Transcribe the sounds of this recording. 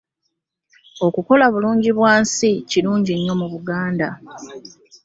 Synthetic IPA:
o̞kuko̞laβuluːɲɟiβwaːnsiciɾuːɲɟiɲːo̞muβuɡaːnda

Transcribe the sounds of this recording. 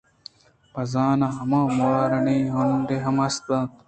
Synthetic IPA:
pɐzaːnaɦɐmãːmuaːɾɐneːɦond̪eɦɐmɐst̪ãːt̪

